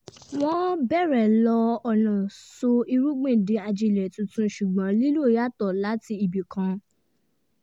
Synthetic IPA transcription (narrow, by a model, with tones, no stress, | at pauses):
w̃ɔ̃˦bɛ˦˨ɾɛ˨lɔ˧ɔ˨nã˨so˧i˧ɾu˦ɡ͡bẽ˦˨de˨˧˦a˧d͡ʒi˧˨lɛ˨tũ˨˧tũ˧˦ʃu˨ɡ͡bã˨˦li˦lu˦˨ja˦tɔ˦˨la˨˦ti˧i˨bi˨kʰã˧